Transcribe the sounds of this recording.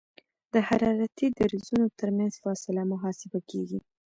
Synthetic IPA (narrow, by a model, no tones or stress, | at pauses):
d̪̥əhaɾɑɾat̪id̪aɾizunot̪əɾmanz̥fɑsɪlamʊɦɑsɪbakeɡi